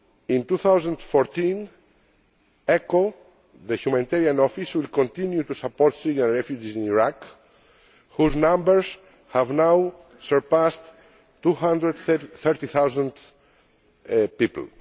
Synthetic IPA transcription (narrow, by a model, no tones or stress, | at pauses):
ĩnt̪uθawzãnd̪fɔɾt̪ĩn | ɛko | ðəhjumãnit̪ɛɾiãnɔfiswilkõnt̪ĩnjut̪usapɔɾt̪siɾiãnɹɛfjud͡ʒisĩniɹak | huznãmbəɹz | havnaw | səɹpast̪ː | uhãnd̪ɾəd̪θɛɾt̪iθawzãnd̪ | pipl̩